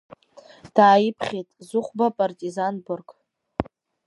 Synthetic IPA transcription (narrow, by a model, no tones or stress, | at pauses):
d̥aːjipʰχʲetʼzʊχʷbapʼartʼizanbʊrɡʼ